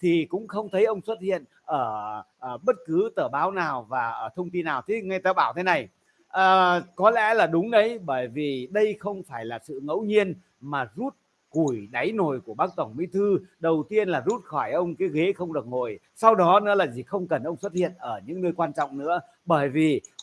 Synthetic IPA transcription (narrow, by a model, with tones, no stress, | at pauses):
t̪ʰi˨˩kʊ̰˧˥ŋ͡mxə˧wŋ͡mt̪ʰə˨˦jʔə˧wŋ͡mswə˦˥t̚hḭ˧˨ən | ʔəː˧˩˨ | ɓə˦˥t̚kɨ˨˦t̪əː˧˩ɓaː˨˦wnaː˨˩wvaː˨˩ʔəː˧˩t̪ʰə˧wŋ͡mt̪i˧nːaː˨˩wt̪ʰi˨˦ŋa˧jt̪aː˧ɓaː˧˩wt̪ʰe˨˦na˨˩j | ʔəː˨˩kɔ˨˦lɛ̰˧˥laː˨˩ɗʊ˨˦ŋ͡mɗə˨˦jɓəː˧˩jvi˨˩ɗə˧jxə˧wŋ͡mfaː˧˩jlaː˨˩sɨ̰˧˨ŋə̰˧˥wɲi˧ən | maː˨˩zu˦˥t̚ | ku˧˩jɗa˨˦jno˨˩jku˧˩əɓaː˦˥k̚t̪ə˧˩ŋmḭ˨˧˦t̪ʰɨ˧ɗə˨˩wt̪i˧ənlaː˨˩zu˦˥t̚xɔ˧˩jʔə˧wŋ͡mkaː˨˦jɣe˨˦xə˧wŋ͡mɗɨ˨˩ək̚ŋo˨˩j | sa˧wɗɔ˨˦nɨ̰˧˥laː˨˩zi˨˩xə˧wŋ͡mkə˨˩nʔə˧wŋ͡mswə˦˥t̚hḭ˧˨ənʔəː˧˩ɲɨ̰˧˥ŋnəː˧jkwaː˧nt͡ɕɔ̰˧˨wŋ͡mnɨ̰˧˥ə | ɓəː˧˩jvi˨˩